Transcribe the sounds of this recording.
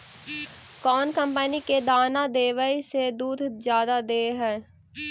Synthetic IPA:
kɔːnkə̃mpəniked̪aːnad̪eːʋəised̪uːd̪ʱzjaːd̪ad̪eːɦɛː

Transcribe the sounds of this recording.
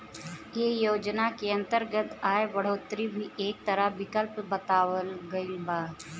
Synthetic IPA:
jeːjoːd͡ʒnakeɐ̃nt̪əɾɡət̪ʰaːebɐɽ̤oːt̪ɾibʱiʔeːk̚t̪ɐɾəʋɪkəlpbɐt̪aːwəlɡɐibaːd

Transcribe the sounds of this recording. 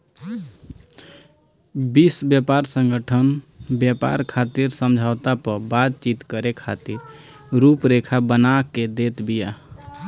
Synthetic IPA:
bisbjəpaɾsə̃ŋɡəʈʰənbjəpa̰ɾkʰat̪iɾsəmd͡ʒʱaʊt̪apəɾbat̪̚t͡ʃit̪kəɾekʰat̪iɾ | ɾupɾekʰabənaked̪et̪bija

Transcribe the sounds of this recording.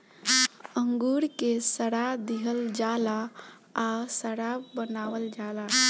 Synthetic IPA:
əŋɡuɾkesəɽad̪iɦəld͡ʒala | asəɽabənawəld͡ʒala

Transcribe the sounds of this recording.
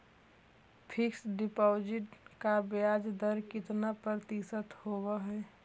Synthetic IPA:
pʰɪksɖɪpoːd͡ʒɪʈkabjaːd͡ʒd̪əɾkɪt̪napɾəɾt̪isət̪howaɦɛː

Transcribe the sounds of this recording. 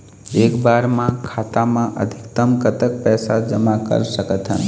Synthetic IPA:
eːkbaɾmãkʰat̪amãʔə̰d̪ʱikt̪əmkət̪ək̚pɛːsad͡ʒəmakə̰ɾsəkət̪ɦə̰n

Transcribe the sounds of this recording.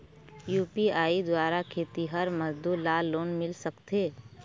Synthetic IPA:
juːpiaːid̪waːɾakʰeːt̪iɦɐɾməzd̪uːɾlaːlːoːnmɪlsɐkt̪eː

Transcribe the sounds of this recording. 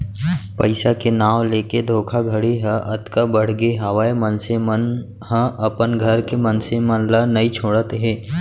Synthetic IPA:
pɐɪsakenaːwleːked̪ʱoːkʰaɡʱɐɽeɦə̃ʔɐt̪kabəɽ̤ɡeɦɐʋaːemənsemən | ɦə̃ɐpənɡʱɐɾkemɐnsemɐnlanɐit͡ʃʰoːɽət̪ɦɛ̃ː

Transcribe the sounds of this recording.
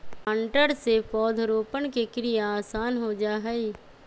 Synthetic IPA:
ə̃ɳʈəɾsepɔːd̪ʱɾoːpənkekɾijaaːsaːnɦod͡ʒaːɦɛi

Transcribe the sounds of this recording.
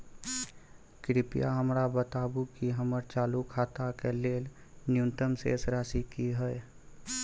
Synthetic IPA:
kɾɪpɪja̰ɦəmɾabət̪aːbukiɦəməɾt͡ʃaːlukʰaːt̪akeleːl | njunt̪əmsḛːsɾaːsikiɦɛe

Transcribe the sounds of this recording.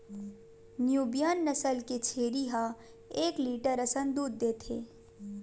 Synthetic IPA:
njuːbijanːɐsəlket͡ʃʰeːɾiɦa | eːkliːʈəɾɐsənd̪uːd̪ːeːt̪ʰḛː

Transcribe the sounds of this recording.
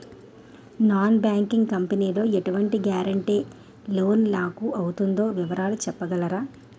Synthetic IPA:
naːnbaːŋkiŋɡkɐmpeniːlo̞ːeʈuʋɐɳʈiɡaːɾɐɳʈeː | lo̞ːnlaːkuːʔɐwut̪und̪o̞ːʋiʋɐɾaːlut͡ʃɛpːɐɡɐlɐɾaː

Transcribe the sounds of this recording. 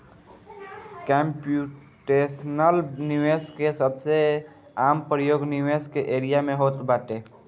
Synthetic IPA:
kɛ̃ːmpju | ʈeːsnəlnɪʋeːskesəbse | aːmpɾəjoːɡnɪʋeːskeʔeːɾijamẽɦoːt̪baːʈeː

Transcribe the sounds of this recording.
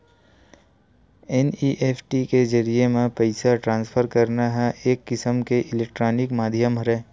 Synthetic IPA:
ɛniʔeːfʰʈiked͡ʒɐɾiemẽpəɪsaʈɾãːnspʰəɾkɐɾnaɦɛʔeːkːɪsəmkeʔɪleːk̚ʈɾoːnɪkmaːd̪ʱijəmɾɛː

